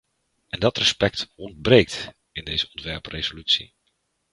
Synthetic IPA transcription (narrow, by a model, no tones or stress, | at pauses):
ɛndɑtrəspɛk̚tɔndbrejk̚t | ɪndejzəɔntʋɛɹprezolytsḭ